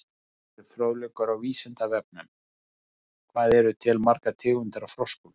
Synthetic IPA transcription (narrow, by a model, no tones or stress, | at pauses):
ɪɾfɾoːwlɛkʏɾawviːsɪnt̪avɛp̚nʏm | kʰvaːðɛɾʏt̪ʰɪlmaɾkat̪ʰɪːɣʏnt̪aɾafɾowskul